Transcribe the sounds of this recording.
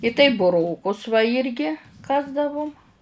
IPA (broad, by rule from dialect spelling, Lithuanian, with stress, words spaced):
ɪ tɐɪp bʊˈroːkʊs ʋɐ ˈɪrʲɡʲɪ ˈkɑːzdɐʋʊm